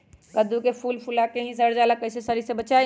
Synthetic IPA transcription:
ɡəd̪ukepʰulpʰulakeɦĩsəɽd͡ʒalakːəɦsesəɾisẽbət͡ʃaj

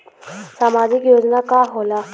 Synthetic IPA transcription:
saːmaːd͡ʒɪkjoːd͡ʒnakaːɦoːlaː

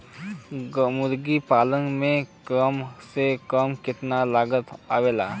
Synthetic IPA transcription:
mʊd̪ɡipaːlənmẽkəmsekəmkɪt̪nalaːɡət̪aːʋeːla̰ː

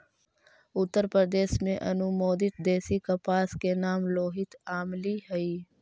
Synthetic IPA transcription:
ʊt̪ːəɾpɾəɾd̪eːsmẽʔɐnumoːd̪ɪt̪̚d̪eːsikɐpaːskenaːmloːɦɪt̪aːmliɦɐiː

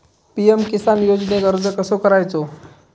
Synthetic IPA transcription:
piemkisanjod͡zneɡəɾd͡zəkəsokəɾajt͡so

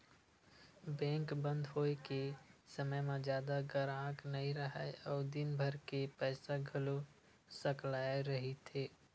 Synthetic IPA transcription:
bɛ̃ːŋkbə̃nd̪ʱɦoːekesəməjmãzjaːd̪aɡəɾãːknəɦĩɾəɦəɔːɾd̪ɪnbʱəɾkepɛːsaɡʱəlo | səklaːeɾəɦit̪ʰeː

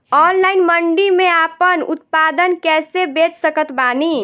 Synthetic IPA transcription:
ɔːnlaːɪnməɳɖimẽaːpənʊ̰t̪̚paːd̪ənkɛːsebet͡ʃsəkət̪baːni

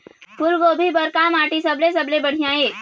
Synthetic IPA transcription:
pʊɾɡoːbʱibəɾkamaːʈisəblesəblebəɽ̤ijãeːk

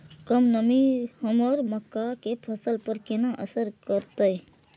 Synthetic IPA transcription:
kəmnəmihəmɔːɾməkːakepʰəsəlpəɾkenaʔəsəɾkəɾt̪əj

